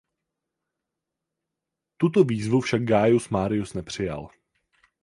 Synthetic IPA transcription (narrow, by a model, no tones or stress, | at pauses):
t̪ut̪oviːzvufʃaɡ̚ɡaːjusmaːɾɪjusnɛpr̝̥ɪja̰l